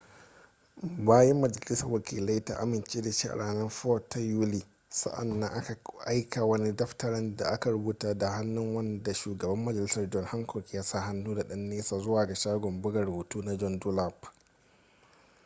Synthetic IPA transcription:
baː˦jɛ˦mːɐ˨d͡ʒɐ˨lɪ˦sɐ˨rwɐ˨kʰʲḭː˨la˦jta̰˦ʔa̰˦mɪ˨nt͡ʃeː˦da˨ʃi˦ʔa̰˨ɽʔaː˨nɐ˦nɸɔː˦tːa˦ju˦liː˨ | sɐ̰˦ʔa̰˨nːɐ˦ŋʔa˦ka˨ʔa˦jkʰa˨wɐ˦ni˦dɐ˦ɸtɐ˦ɾɐ˦nda˨ʔa˦ka˨ɽʊ˦buː˦taː˦da˨ha˦nːʊ˦ŋwɐ˦nda˨ʃuː˨ɡɐ˨bɐ˦mːɐ˨d͡ʒɐ˨lɪ˦sɐ˨rd͡ʒɔ˦nha˦ŋkʰɔ˨kʲjaː˦sa˦˨ɦa˦nːuː˦da˨ɗɐ˦nːeː˦saː˨zʊ˦waː˨ɡa˨ʃaː˦ɡʷɔ˨mbʊ˦ɡɐ˨rhuː˨tuː˦na˦d͡ʒɔ˦ndʊ˦la˦p

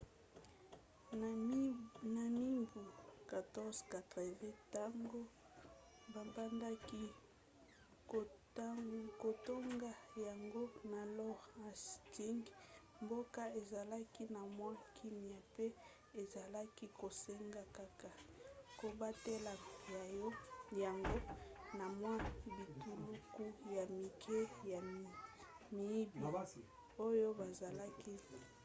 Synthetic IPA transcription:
na˨mi˦bu˨ka˨tɔ˦zka˨tʁe˨ve˦ta˦ŋɡo˦ | ba˨ba˦nda˦ki˦˨˦ | ko˨to˦ŋɡa˦ja˨ŋɡo˦na˨lɔ˦ʁa˨sti˦ŋɡ | mbo˦ka˦e˨za˨la˦ki˦na˨mwa˦kʰi˦mi˨a˨pe˦ | e˨za˨la˦ki˦ko˨se˦ŋɡa˦ka˦ka˨ko˨ba˦te˦la˨ja˨˦ja˨ŋɡo˦na˨mwã˦bi˨tu˨lu˦ku˦ja˨mi˨kʰe˦ja˨ | mi˨i˦bi˨ | o˦jo˦ba˨za˨la˦ki˦

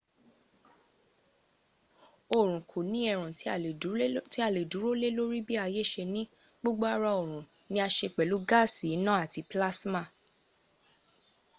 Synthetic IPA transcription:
o˨ɾ̃ũ˨kʰo˨nĩ˨˦ɛ˧˨ɾ̃ũ˨˦ | ti˦a˦˨le˨du˨˦ɾo˦le˦lo˦ɾi˦bi˦a˧je˦˨ʃe˧nĩ˦ | ɡ͡bo˦ɡ͡bo˦a˦ɾa˧o˨ɾ̃ũ˨ | nĩ˧˦a˧ʃe˧k͡pɛ˨lu˨˦ɡa˦˨si˨˦nã˦a˦˨ti˧pla˦sma˦˨

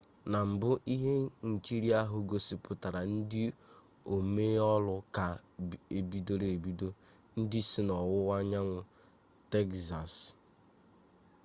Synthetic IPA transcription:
na˨m̩˨bʊ˦ʔi˦ɦe˦ŋ̩˨ki˦ɾi˦a˦ɦʊ˨ɡo˨si˨pʊ˨ta˨ɾa˨n̩˦dɪ˦ | o˨me˦ɔ˦lʊ˦ka˨e˨bi˦do˦ɾe˨e˨bi˦do˦ | n̩˦dɪ˦sɪ˦nɔ˨wʊ˦wa˦ɲa˦ŋʷʊ˨ | te˦kza˨s

